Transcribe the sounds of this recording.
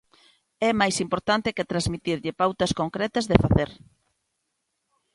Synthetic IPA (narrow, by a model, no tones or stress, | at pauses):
ɛmajsimpoɾt̪ant̪ɪket̪ɾazmit̪iɾʎɪpawt̪ɐskoŋkɾɛt̪ɐzðefaθeɾ